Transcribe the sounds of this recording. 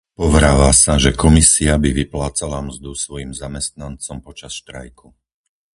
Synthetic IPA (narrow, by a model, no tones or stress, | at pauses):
pɔʋɾaːʋaːsaʒɛkɔmisiabiʋiplaːt͡salamzd̪usʋɔjimzamɛst̪̚nant͡sɔmpɔt͡ʃasʃt̪ɾa̰jku